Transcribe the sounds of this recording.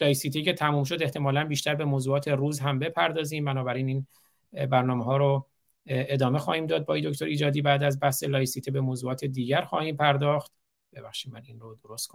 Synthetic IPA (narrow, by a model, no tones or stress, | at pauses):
lɒːjsiːt̪ʰicʲʰe̞t̪ʰæmuːmʃ̬o̞d̪e̞ht̪e̞mɒːlænbiːʃt̪æɾbe̞moːzuːɒːt̪ʰe̞ruːzɦæmbe̞pʰæɾd̪ɒːziːmbænɒːbæɾiːniːn | bæɾnɒːmeɦɒːɾo | e̞d̪ɒːmexɒːhiːmd̪ɒːd̪̚bɒːid̪ocʰt̪o̞ɾiːd͡ʒɒːd̪iːbæːd̪æzbæhse̞lɒːjsit̪ibe̞moːzuːɒːt̪ʰe̞d̪iːɟæɾxɒ̰ːhiːmpʰæɾd̪ɒːxt̪ | b̥e̞bæxʃidmæninrod̪oɾost̪̚kʰo